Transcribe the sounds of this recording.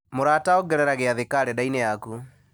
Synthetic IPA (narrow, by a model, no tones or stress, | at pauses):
moɾaːtaɔɡɛɾɛɾaɣeaðekaɾɛdaineaku